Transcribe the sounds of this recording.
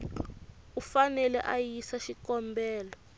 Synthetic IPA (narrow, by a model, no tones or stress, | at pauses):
ufanɛlɛ̰ʔajisaʃikɔmbɛːlɔ